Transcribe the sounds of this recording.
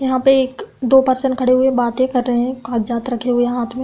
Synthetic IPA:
jɐɦãpeeːkd̪oːpɐɾsə̃ɳɖkʰɐɽeɦʊebaːt̪ẽkɐɾːəɦeɦɛ̃kaːʈd͡ʒaːt̪ɾɐkʰeɦʊeɦaːt̪ʰmẽ

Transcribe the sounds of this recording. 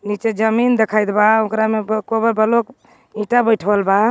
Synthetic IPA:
nit͡ʃed͡ʒəmind̪ekʰajd̪baokɾamebkobəbʱəlok | ĩʈabəjʈʰbəlba

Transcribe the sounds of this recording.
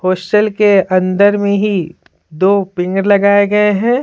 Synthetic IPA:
hoːsʈəlkeɐ̃nd̪əɾmẽɦi | d̪oːpɪ̃ŋɡɾlɐɡaːeɡɐeɦɛ̃ː

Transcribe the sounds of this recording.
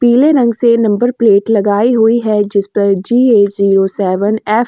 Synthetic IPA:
piːleɾɐ̃ŋɡsenɐ̃mbəɾpleːʈlɐɡaːiɦuiɦɛd͡ʒɪspɐɾd͡ʒiːeːziːɾosɛːʋənɛːf

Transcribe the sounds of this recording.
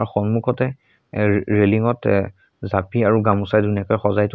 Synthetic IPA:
axɔnmukʰɔtɛ | ɹeliŋɔt | zapiaɹuɡamusajduniakɔjxɔzajt

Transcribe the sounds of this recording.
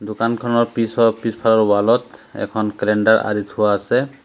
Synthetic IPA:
d̪okankʰɔnɔɹpisɔpispʰalɔɹwalɔt̪ɛ̰kʰɔnkɛlɛɳɖaɹa̰ɾit̪hʊaːsɛ

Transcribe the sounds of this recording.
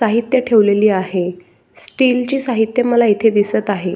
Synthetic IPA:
aɦit̪jəʈʰeʋleliːaɦe | sʈilt͡ɕiːsaɦit̪jəməlait̪ʰed̪isət̪aɦe

